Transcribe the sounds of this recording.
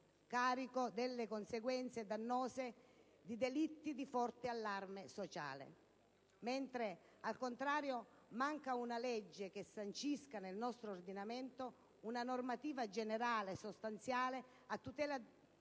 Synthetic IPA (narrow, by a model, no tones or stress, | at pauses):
kaːɾikod̪elːekonseɡwɛnt̪sed̪anːɔːze | d̪id̪elit̪ːid̪ifɔrt̪ɪalːarmesot͡ʃa̰ːlḛ | ment̪ɾe | alkont̪ɾaːɾjo | maŋkaunalɛd͡ʒːekesːant͡ʃiskanelnɔst̪ɾoːrd̪inament̪o | unanormat̪iːvad͡ʒeneɾaːlesost̪ant̪sjaːle | at̪ːut̪ɛːla